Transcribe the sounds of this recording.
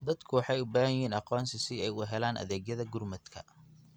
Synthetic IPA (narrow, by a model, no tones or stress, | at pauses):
d̪ɐd̪kʰʊwɑħɑjʊbaːɐjɦiːnɑqɔːnsɪsɪɛjʊɦɛlaːnʔɐ̰ðɛːɡjɐðɐɡʊrmɐd̪kʰɐ̰